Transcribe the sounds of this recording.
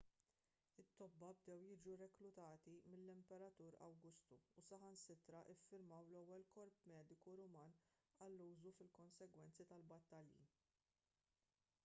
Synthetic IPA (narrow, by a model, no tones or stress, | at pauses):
ɪt̪ːɔbːɐbd̪ɛwjɪːd͡ʒuɾɛklʊt̪ɐːt̪imɪlːɪmpɛɾɐt̪uːɾɐ̰wɡʊst̪uːsɐhɐnsɪt̪ɾɐʔɪfːɪɾmɐwlɛwːɛlkɔɾpmɛːd̪ɪkuɾʊmɐːn | ɐlːuːzufɪlkɔnsɛɡwɛnt͡sit̪ɐlbɐt̪ːɐljḭ